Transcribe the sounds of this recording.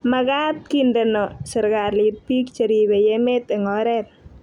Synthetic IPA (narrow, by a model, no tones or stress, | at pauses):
makat̪̚kindənɔsəɾkarlipik̚t͡ʃəɾiwejemet̪eŋɔɾɛt̪̚